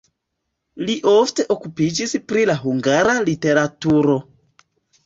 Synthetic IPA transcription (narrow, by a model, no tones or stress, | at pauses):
liʔo̞fte̞ʔo̞kupid͡ʒispɾilaɦuŋɡaɾalite̞ɾatuɾo̞